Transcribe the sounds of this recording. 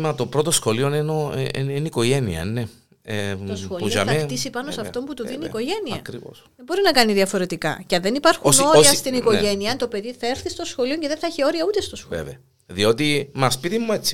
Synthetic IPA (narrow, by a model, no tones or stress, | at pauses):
mɐt̪o̞pɾo̞t̪o̞sxo̞lionenoniniko̞ʝe̞nḭɐ̰ne | etosxoliuʝɐ̰mɐetisipɐnosɐft̪o̞mput̪uðiniːko̞ʝe̞niɐkɾivo̰sðembo̞ɾinɐkɐniðiɐfo̞ɾe̞t̪ikɐ̰cɐðenipɐɾxunoɾiɐst̪iniko̞ʝe̞niɐnt̪o̞pe̞ðiθɐe̞ɾθist̪o̞sxo̞lio̞ɲceðeθɐeçio̞ɾiɐut̪e̞st̪osxoḛveɐ | ðio̞t̪imɐspit̪imːuet͡sːi